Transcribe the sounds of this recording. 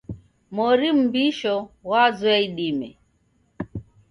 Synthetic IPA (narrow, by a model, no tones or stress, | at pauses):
mɔɾim̩biʃɔwazwɛiɗimɛ̰